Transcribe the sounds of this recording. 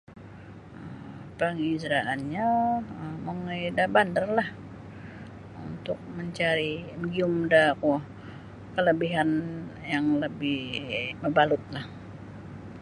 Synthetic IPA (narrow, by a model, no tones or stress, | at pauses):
əpəŋizɾaʔanɲaəməŋedabandərlah | ṵnt̪ʊk̚məɲt͡ʃaɾiməɡiʊmdakuh | kələbiɦanjaŋləbɪhməbalʊt̪̚lah